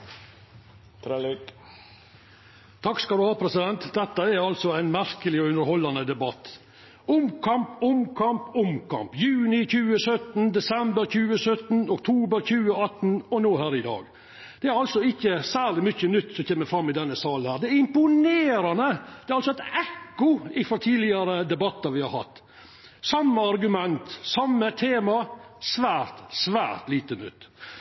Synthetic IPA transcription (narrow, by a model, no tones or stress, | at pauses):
t̪ʰ | t̪ʰɑkskɑld̪ʉhɑːpʰɾɛsɪd̪ɛnt̪d̪ɛt̪ːəæɾɑlsɔæɪnmæɾkəlɪɔʉnd̪əɾhɔlːɑnəd̪ɛbɑt̪ː | ʊmkʰɑmpʊmkʰɑmpʊmkʰɑ̰mpjʉːnɪçʉːəsœt̪n̩d̪ɛsɛmbəɾçʉːəsœt̪n̩ɔkt̪ʰuːbəɾçʉːəɑt̪ːn̩ɔnoːɦæːɾɪd̪ɑ̰ːɡ | d̪̥ɛæɾɑlsɔɪçːəsæːɾlɪmʏçːənʏt̪ːsɔçeːməɾfɾɑmːɪd̪ɛnːəsɑːlənhæːɾd̪ɛæɾɪmpʊneːɾɑnəd̪̥ɛæɾɑlsɔɛɪt̪ɛkːʊɪfɾɔt̪ʰiːdlɪɑɾəd̪ɛbɑt̪ːɑɾʋɪhɑ̰ɾhɑ̰t̪ː | sɑmːəɑɾɡʉmɛnt̪sɑmːət̪ʰeːmɑsʋæːɾt̪sʋæ̰ːɾt̪liːt̪ənʏ̰t̪ː